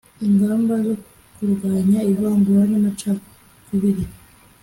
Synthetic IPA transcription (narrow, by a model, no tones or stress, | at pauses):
iŋɡaːmbazo | kuɾɡaːɲaiβaːmbuɾananat͡ʃa | kuβiɾi